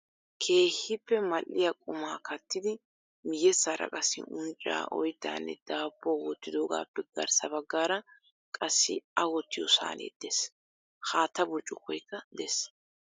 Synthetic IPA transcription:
kʰe̞ːhːɪpːɛmɐlʔːɪjɐkʼʊmaːkʰɐt̪ːɪd̪ɪ | mɪjɛsːaːɾɐ̰kʼɐsɪ̰ʊnt͡ʃʼːa̰ːʔɔjd̪ːa̰ːnːɛ̰d̪̥aːpːoːwɔt̪ːɪd̪o̞ːɡa̰ːpːɛɡ̥ɐɾsɐbɐɡːaːɾɐ | kʼɐsːɪ̰ɐwɔt̪ːɪjɔsa̰ːnḛːd̪̥es | haːt̪ːɐbɔt͡ʃʼːʊkɔjkːɐd̪ɛs

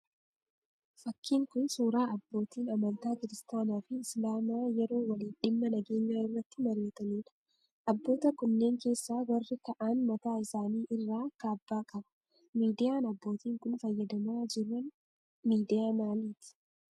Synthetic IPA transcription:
fɐkːiːŋkʊnsuːɾaːɐbːo̞ːt̪iːnɐmɐnt̪aːkɪɾɪst̪aːnaːfɪːslaːmaːjɛɾo̞ːwɐliːnᶑɪmːɐnɐɡeːɲːaːɪrːɐt̪ːɪmɐɾeːt̪ɐniːᶑɐ̥ | ʔɐbːo̞ːt̪ɐkʊnːe̞ːŋke̞ːsːaːwɐrːɪkɐʔaːnmɐt̪aːɪsaːniːʔɪrːaːkaːbːaːkʼɐbɐ̥ | miːd̪ɪjaːnɐbːo̞ːt̪iːŋkʊnfɐjːɐd̪ɐmaːd͡ʒɪɾːɐn | miːd̪ɪjaːmaːliːt̪ɪ̥

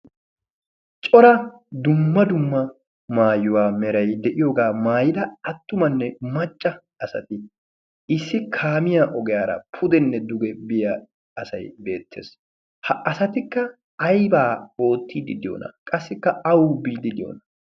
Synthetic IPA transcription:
t͡ʃʼɔɾɐ | d̪ʊmːɐd̪ʊmːɐ | maːjːʊwaːmɛɾɐjd̪ɛʔɪjoːɡaːmaːjɪd̪ɐɐt̪ːʊmɐnːɛmɐt͡ʃʼːɐ | ɐsɐ̰t̪ɪ | ɪsːɪkʰaːmɪjaʔɔɡɛjaːɾɐ̰pʰʊd̪ɛnːɛd̪ʊɡɛbɪja | ɐsɐ̰jbe̞̰ːt̪ʰːḛːs | hɐʔɐsɐt̪ɪkːɐː | jbaːo̞ːt̪ʰːiːd̪ɪd̪ɪjo̰ːnɐ̰kʼɐsːɪkːɐɐwbiːd̪ɪd̪ɪjo̰ːnɐ

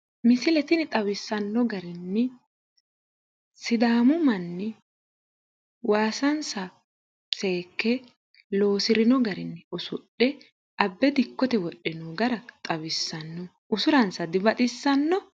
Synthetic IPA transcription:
mɪsɪlɛt̪ɪnɪt̪ʼɐwɪsːɐnːɔɡɐɾɪnːɛ | sɪd̪aːmʊmɐnːɛ | waːsɐnsɐ | t͡sʼe̞ːkːɛ | lo̞ːsɪɾɪnɔɡɐɾɪnːɛɔsʊɗːɛ | ʔɐbːɛd̪ɪkːɔt̪ɛwɔɗːɛnɔɡɐɾɐt̪ʼɐwɪsːɐnːɔ | ʔʊsʊɾɐnsɐd̪ɪbɐt̪ʼɪsːɐnːɔ

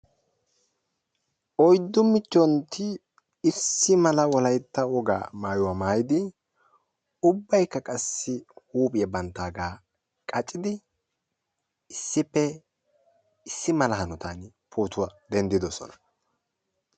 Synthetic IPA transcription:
ʔɔjd̪ːʊmɪt͡ʃːɔnt̪ɪ | ɪsːɪmɐlɐwɔlɐjt̪ːɐwɔɡa̰ːmaːjʊwaːmaːjɪd̪ɪ | ʊbːɐjkːɐkʼɐsːɪhuːpʼɪjɛbɐnt̪ːaːɡaː | kʼɐt͡ʃʼɪd̪ɪ | ɪsːɪpːɛ | ɪsːɪmɐlɐhɐnʊt̪an | pʰuːt̪ʊwad̪ɛnd̪ɪd̪ɔsɔ̰nɐ̥

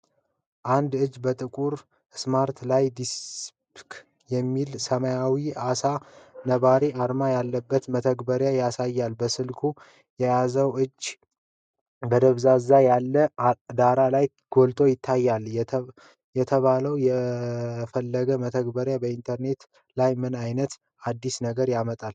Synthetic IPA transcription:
ʔand̪ɨd͡ʒːbət̪ʼɨkʼuɾ | smaɾt̪lajd̪ispkʰ | jɛmːilsəməjawiasanəβaɾeʔaɾmajalːəbːət̪mət̪ʰəɡbəɾjajasajːalbəsɨlkʰu | jɛjazəwʔɨd͡ʒ | bəd̪əβzazajalːəd̪aɾalaj | ɡ̥olt̪ʰo̞jɪt̪ʰːajːal | jɛt̪ʰəβaləwjɛ | fəlːəɡəmət̪ʰəɡbəɾjabəint̪ʰəɾne̞t̪ | lajmɨnajnət̪ | ad̪ːisnəɡəɾjamət̪ʼal

